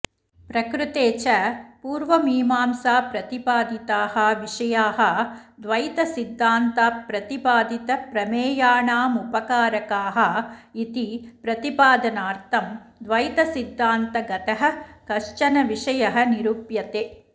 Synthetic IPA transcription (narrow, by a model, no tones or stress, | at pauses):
pɾɐkɾut̪eːt͡ʃɐpuːɾʋɐmiːmaːmsaːpɾɐt̪ipaːd̪ʱit̪aːhɐʋiʂɐjaːɦɐd̪ʋɐjt̪ɐsid̪ʱːaːnt̪aːpɾɐt̪ipaːd̪ʱit̪ɐpɾɐmeːjaːɳaːmupɐkaːɾɐkaːɦɐit̪ipɾɐt̪ipaːd̪ɐnaːɾt̪ʰɐmd̪ʋɐjt̪ɐsid̪ʱːaːnt̪ɐɡɐt̪ɐɦɐ̆kɐʂt͡ʃɐnɐʋiʂɐjɐɦɐ̆niɾuːpjɐt̪eː